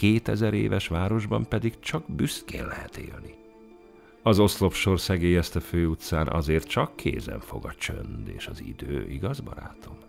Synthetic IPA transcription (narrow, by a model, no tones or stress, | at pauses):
keːt̪ɛzɛɾḛːvɛʃʋaːɾo̞ʒbɒmpɛd̪ikt͡ʃɒɡbyskeːnlɛɦɛt̪ḛːlni | ɒzo̞slo̞pʃo̞rsɛɡeːjɛst̪ɛføːut̪saːnʔɒ̰zeːrt̪t͡ʃɒkʰːeːzɛ̰ɱfo̞ɡɒt͡ʃønd̪ḛːʃɒzḭd̪øːʔiɡɒzbɒ̰ɾaːt̪ʰo̞n